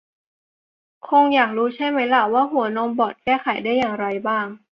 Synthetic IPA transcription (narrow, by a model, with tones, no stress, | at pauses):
kʰo˧ŋjaː˨˩k̚ɾuː˦˥t͡ɕʰa˥˩jma˦˥jla˧˩waː˥˩ɦu˨˩˦ɐnɔː˧mbɔː˨˩t̪̚kɛː˥˩kʰa˨˩˦jdaː˥˩jːaː˨˩ŋɾa˧jbaː˥˩ŋ